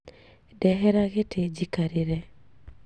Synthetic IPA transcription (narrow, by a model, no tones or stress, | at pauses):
dɛɦɛɾaɣɪtʰed͡ʒikaɾɪɾɛ